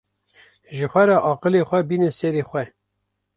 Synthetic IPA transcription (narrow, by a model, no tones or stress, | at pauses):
ʒəxʷɛɾɛʔɑːqəleːxʷɛbiːnɛseɾeːxʷɛ